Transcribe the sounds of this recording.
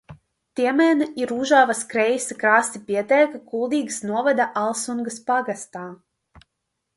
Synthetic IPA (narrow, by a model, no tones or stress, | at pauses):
t̪iɛmɛːnɨiɾuʒaːvaskɾɛjisakɾaːst̪ipʲiɛt̪ɛːkakulˠd̪iːɡsnuɔvad̪aʔalˠsuŋɡɨspaɡast̪aː